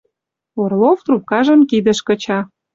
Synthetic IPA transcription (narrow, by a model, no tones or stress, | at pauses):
orloft̪rup̚kɑʒə̆mkid̪ə̆ʃkɤ̆t͡ɕɑ